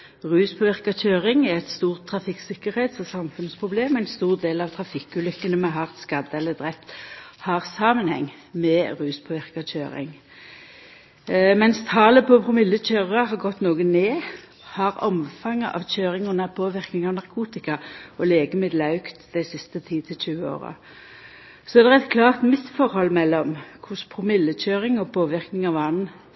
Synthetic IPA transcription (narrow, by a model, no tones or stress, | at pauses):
ʁʉːspʰoːʋɪʁkɑçøːʁɪŋɛʁɛt̪st̪uːʁt̪ʰːʁɑfɪksɪkəʁheːt̪sɔsɑmfʉnspʰʁʊbleːmæɪnst̪uːʁd̪eːlɑʋt̪ʰʁɑfɪkːʉːlʏkːənəmɛɦɑʁt̪skɑd̪əɛlːəd̪ʁɛpt̪hɑːʁsɑːmənhɛ̰ŋː | mɛʁʉːspʰoːʋɪʁkɑc͡çøːʁɪ̰ŋ | mɛnst̪ʰɑːləpʰɔpʁʊmɪlːəçøːʁɑɦɑʁɡɔt̪ːnoːɡəneː | hɑʁɔ̰mfɑŋːəʔɑ̰ʋc͡çøːʁɪŋʊnɑpʰoːʋɪʁknɪŋɑʋnɑʁkʰuːt̪ɪkɑʔɔleːɡəmɪd̪lɑʉkt̪d̪̥æɪsɪst̪ət̪ʰiːt̪ʰɪlçʉːəo̰ːʁə̰ | sɔɛd̪ɛɛt̪kʰlɑːʁt̪mɪsfɔʁhɔlːmɛlːɔmkʰʊspʰʁʊmɪlːəc͡çøːʁɪŋɔpʰoːʋɪʁknɪŋɑʋɑn̩